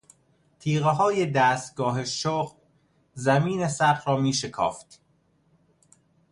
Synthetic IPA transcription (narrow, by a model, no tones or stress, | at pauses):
t̪ʰiːɣeɦɒːje̞d̪æːst̪̚ɡɒːɦeʃoːɢ | zæmiːnesæχɾɒːmiːʃekʰɒ̰ːft̪